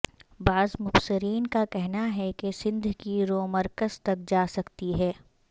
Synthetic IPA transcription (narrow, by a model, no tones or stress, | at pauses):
baːzmʊbsɪɾiːnkakɛɦnaɦɛkesɪ̃nd̪ʱkiɾoːmɐɾkəzt̪ɐk̚d͡ʒaːsɐkt̪iɦɛː